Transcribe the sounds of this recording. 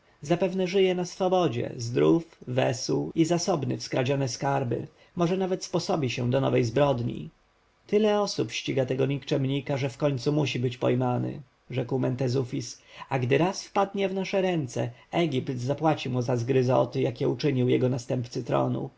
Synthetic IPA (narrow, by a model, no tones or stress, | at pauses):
zapɛvnɛʐɘjɛnasfɔbɔd͡ʑɛ̰zd̪ɾufvɛ̰swwizasɔbnɘ̰fskɾad͡ʑɔnɛskaɾbɘ̰ | mɔʐɛnavɛt̪spɔsɔbʲiɕɛ̃d̪ɔnɔ̰vɛjzbɾɔd̪ɲḭ | t̪ɘlɛɔsupɕt͡ɕiɡat̪ɛɡɔɲikt͡ʂɛmɲikaʐɛfkɔɲt̪sumuɕibɘt͡ɕpɔjmanɘ̰ | ʐɛkwmɛnt̪ɛzufʲisaɡd̪ɘɾasfpad̪ɲɛvnaʂɛɾɛnt̪sɛ̰ɛɡʲipt̪zapwat͡ɕimuzazɡɾɘzɔ̰t̪ɘjakʲɛut͡ʂɘɲiwjɛɡɔnast̪ɛmpt̪sɘt̪ɾɔ̰nṵ